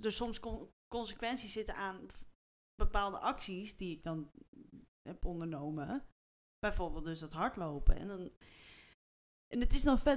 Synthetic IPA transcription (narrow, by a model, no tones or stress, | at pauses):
dəsɔmskkɔnsəkʋɛnsisɪtənaːn | b̥əpaːlˠdəʔɑksisdiɪɡ̚dɔn | ɦɛpɔndəɹnowmə | b̥ɛjfoːɹbeːlˠdøsdɔtɦɑɹtlowpə̰ɛ̰ndɔn | ʔɛnətɪsdɔnfɛ